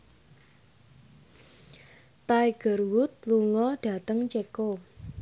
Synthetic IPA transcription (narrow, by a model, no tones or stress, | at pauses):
t̪aiɡ̥ə̤rwʊt̪̚luŋɔɖ̥a̤t̪əŋt͡ʃeko